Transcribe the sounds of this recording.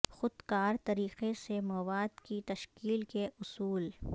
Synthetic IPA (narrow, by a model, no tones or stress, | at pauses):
xʊd̪kaːɾt̪ɐɾiːqesemɐʋaːd̪kit̪ɐʃkiːlkeʔʊsuːl